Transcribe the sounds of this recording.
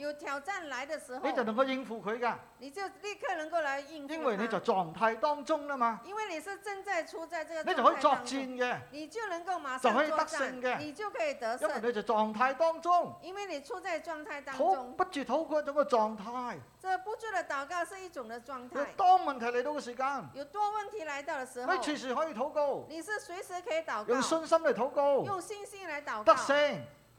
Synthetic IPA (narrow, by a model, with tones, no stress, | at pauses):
jo˨˩ʊt̪ʰjɑ˨˩ʊʈ͡ʂa˥˩nla˧˥ɪd̪ə˨ʂɻ̩˧˥e˧t͡sɐ˨˩wnə˧˥ŋko˧wji˧ŋfu˧kʰɵ˨˧ɥka˧˩ | ni˨˩t͡ɕjo˥˧ʊli˥˧kʰə˥˩nə˧˥ŋko˥˩ʊla˨˧˦ɪi˧ŋji˥nwa˨˩jne˨˧t͡sɐ˨˩wt͡sɔ˨˩ŋt̪ʰaː˧jt̪ɔ˥ŋt͡sʊ˥ŋla˧˩maː˧i˧˥nwe˥˩ni˨˩ʂɻ̩˥˧ʈ͡ʂə˥˧ŋt͡sa˥˧ɪt͡sʰu˧˥t͡sa˥˧ɪt͡sə˥˧ə˩ne˨˧jhɔ˧˥˧ɔ˧˥k̚t͡si˧nkɛ˧ni˨˩t͡ɕjo˥˩ʊnə˧˥ŋko˥˩ʊma˧˥t͡sa˨˩˧whɔ˧˥ji˧t̪a˥k̚sɪ˧ŋkɛ˧ni˨˩t͡ɕjo˥˩ʊkʰɤ˧˥i˨˩t̪ə˧˥jwjne˨˧˥t͡sɐ˨˩wt͡sɔ˨˩ŋt̪ʰaː˧jt̪ɔ˥ŋt͡sʊ˥˩ŋi˥nwe˥˩ni˨˩t͡sʰu˥˧t͡sa˥˧jʈ͡ʂwɔ˥˧ŋt̪ʰa˥˧jt̪ɑ˥tʰo˨˧˥wʊ˥ŋpɐ˥t̚t͡ʃyː˨˩t̪ʰo˨˥wkʰʷa˧˥nt͡sʊ˧˥ŋkɛ˧t͡sɔː˨ŋt̪ʰaː˧jt͡sə˥˧pu˧˥t͡su˥də˧t̪a˨˩wka˥˧s̩˥˧i˥˩t͡sʊ˨˩˦ŋd̪ə˨˧t͡swɔ˥˧ŋt̪ʰjt̪ɔː˥ŋmɐ˨nt̪ʰɐ˨˩jle˨˧jt̪o˧wkɛ˧s̬iː˨˩kaː˧njo˨˩ʊt̪wɔ˥wə˥˩nt̪ʰi˨˧˥la˧˥jt̪a˥˩ʊdə˨˩s̩˧˥me˧˥˧t͡ʃʰiː˧˩s̬iː˨˩hɔ˨˥jiː˧t̪ʰo˨˥wko˧wni˨˩s̩˥˩swe˨˥ɪsɹ̩˧˥kʰə˧˥i˨˩t̪a˨˩jʊ˨˧ŋ˧sɵ˧nsɐ˥mle˨˩jt̪ʰo˨˧˥wko˧wjʊ˥˧ŋsi˥˧ŋsi˥˩ŋla˨˧˥jt̪a˨˩wt̪ɐ˥k̚sɪ˧ŋ